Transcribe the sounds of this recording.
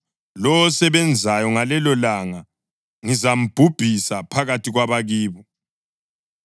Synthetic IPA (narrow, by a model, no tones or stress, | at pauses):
lɔwɔsɛβɛnd͡zʱajɔŋalɛlɔlaŋa | ŋizam̩b̥ʱub̥ʱisapʰaɣatʰiɣwaβaɣiːβɔ